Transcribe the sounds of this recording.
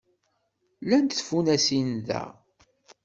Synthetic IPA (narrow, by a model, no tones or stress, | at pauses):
lænt̪θfunæsinðæ̰